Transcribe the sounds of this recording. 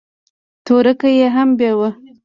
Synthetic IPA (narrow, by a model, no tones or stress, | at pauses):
t̪oɾəkajeɦambjɑwə